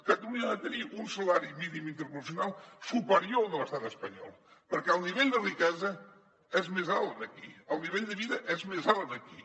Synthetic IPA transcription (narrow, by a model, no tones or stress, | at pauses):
kɐt̪ɐluɲaɐt̪ɐɾiʔũsɐlaɾjuminimĩnt̪eɾpuɾsjunalˠsupaɾjonɐlɐʃt̪aðespɐɲɔ̰lˠ | pɐɾkawniβɛʎd̪ɐrikɛzɐ | ɛʒmezalˠðɐkiawniβɛʎd̪ɐβiðɐʔɛzmezalˠðɐki